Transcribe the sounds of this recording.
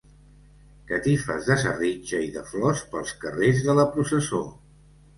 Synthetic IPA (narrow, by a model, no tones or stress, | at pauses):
kət̪ifə̰zðəsərid͡ʒəiðəflɔspəlˠskərezðələpɾusəso